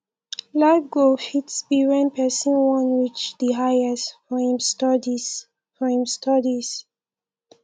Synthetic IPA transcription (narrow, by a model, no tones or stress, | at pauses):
laɪvɡofitsbiɹɛ̃npʰɛsə̃nwɔ̃nwit͡ʃd̪iɦajɛsfɔhĩmstɔdis | fɔhĩmstʌdis